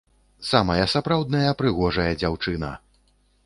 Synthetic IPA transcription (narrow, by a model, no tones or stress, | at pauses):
samɐjɐsapɾawd̪̚nɐjɐpɾɨɣɔʐɐjɐd͡zʲawt͡ʂɨnɐ̰